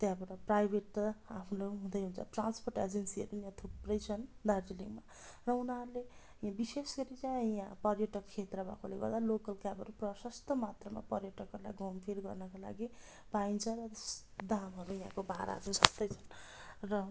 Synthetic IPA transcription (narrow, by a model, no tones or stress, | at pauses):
t̪jãbʌʈʌprajbʱeʈapʰlaɦũd̪ʌjɦunt͡sʰʌʈranspʰorʈed͡zensiʌ̰ɾujãt̪ʰuprʌjt͡sʰʌnd̪ardiliŋɡma | rʌunaɦʌɾule | jãbisesɡʌɾit͡sãjãpʌrjʌʈʌkt͡ʃʰet̪rʌba̰kʰoleɡʌ̰rd̪alokʌlkabʌɾuprʌsʌst̪ʌmat̪rʌma̰pʌrjʌʈʌkɦʌɾula̰jɡompʰilɡʌ̰rnʌkola̰ɡi | baint͡sʰʌrʌt̪es | d̪amɦʌɾujɦã̰kobaɾa̰d͡zʌd͡zʌst̪ʌjt͡sʰʌn | rʌ